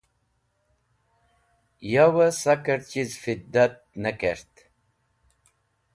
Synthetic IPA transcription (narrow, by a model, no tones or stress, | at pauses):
jawəsakəɾt͡ʃizfid̪ːat̪̚nəkeɾt̪